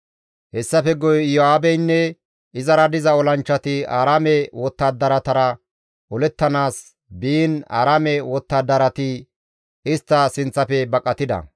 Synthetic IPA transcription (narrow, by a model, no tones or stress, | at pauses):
hɛsːɐfɛɡɔjjɔaːbɛjnːɛ | ɪzɐɾɐd̪ɪzɐɔlɐnt͡ʃːɐt̪ɪaːɾaːmɛwɔt̪ːaːd̪ːɐɾɐt̪ɐɾɐ | ʔɔlɛt̪ːɐnaːs | biːna̰ːɾaːmɛwɔt̪ːaːd̪ɐɾɐt̪ɪ | ɪst̪ːɐsɪnt͡sːɐfɛbɐkʼːɐt̪ɪd̪ɐ̰